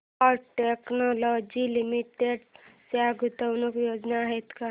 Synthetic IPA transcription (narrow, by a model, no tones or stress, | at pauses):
ɔʈeknolod͡ʒilimiʈeɖsaɡʱut̪ənokjod͡ʒnaɦejt̪ka